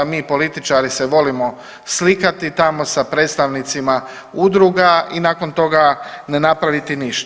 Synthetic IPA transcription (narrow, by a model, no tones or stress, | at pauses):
miːpo̞lit̪it͡ʃaɾiseʋo̞limo̞ | slikat̪it̪amo̞sapɾet̪st̪aʋnit̪sima | ud̪ɾuɡainaːko̞nt̪o̞ɡane̞napɾaʋit̪iniʃt̪